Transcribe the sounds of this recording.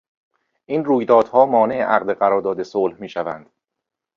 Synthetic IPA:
ʔiːnruːjd̪ɒːd̪̥hɒːmɒːne̞ʔeʔæɣd̪eɣæɾɒːɾd̪ɒːd̪e̞soːlhmiːʃævæ̰nd̪̥

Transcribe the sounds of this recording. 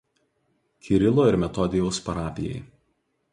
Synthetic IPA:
kʲʰɪɾʲɪlˠoːɪɾmʲɛt̪ɔd̪ʲɪjɛʊspɐɾɑːpʲɪjɛ̰ɪ

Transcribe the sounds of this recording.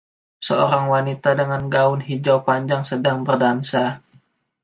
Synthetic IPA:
səoɾaŋwanit̪adəŋanɡaʊnɦid͡ʒawpaɲd͡ʒaŋsədaŋbərdansa

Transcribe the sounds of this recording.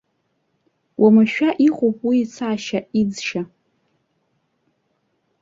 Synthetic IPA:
wʔamɨʃᶣaʔiχʷopʼwiːt͡sʰaːʃaid͡zʃa

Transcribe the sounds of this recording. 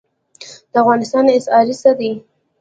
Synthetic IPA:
d̪̥əafɣɑnɪst̪ɑnɪsɑɾisad̪i

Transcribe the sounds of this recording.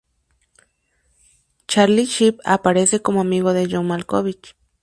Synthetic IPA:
t͡ʃaliʃipa̰paɾesekomoamiɣoðejomalkoβit͡ʃ

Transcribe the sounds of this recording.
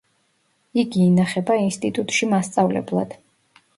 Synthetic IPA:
iɡiːnaχɛbainst̪ʼit̪ʼut̪ʼʃimast̪sʼavlɛ̰blˠa̰d̪̥

